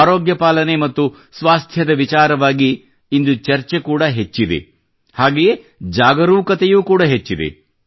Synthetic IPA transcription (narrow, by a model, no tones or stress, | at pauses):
aːɾoːɡjɐpaːlɐnemɐt̪ːu | sʋaːst̪ʰjɐd̪ɐʋit͡ʃaːɾɐʋaːɡiː | nd̪ut͡ʃɐɾt͡ʃekuːɽɐɦet͡ʃːid̪ḛ | haːɡeje | d͡ʒaːɡɐɾuːkɐt̪ejuːkuːɽɐɦet͡ʃːid̪ḛ